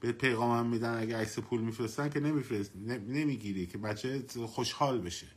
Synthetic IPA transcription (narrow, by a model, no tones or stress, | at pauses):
b̥epʰe̞jɣɒːmæmːiːd̪ænæɡʲeæksepʰuːlmifɾest̪ænkʲʰe̞nemifenemiːɡiːɾiːkʰebæt͡ʃʰːexoʃhɒːlbe̞ʃe